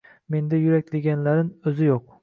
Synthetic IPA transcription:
me̞nd̪ajʊɾak̚ʲd̪eɡʲanlaɾɪnɵzɪjoq̚

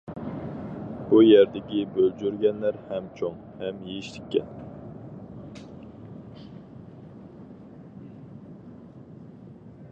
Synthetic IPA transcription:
b̥ujɛɾd̪ɪkʲibøld͡ʒyɾɡʲɛnlæɾhɛmt͡ʃʰoŋ | hɛmjeiʃli̥kʲːɛ̰n

